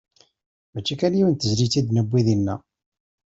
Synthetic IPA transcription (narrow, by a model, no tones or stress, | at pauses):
mæt͡ʃːækænjiwənt̪əzlit͡sːid̪nəbʷːiðinːæ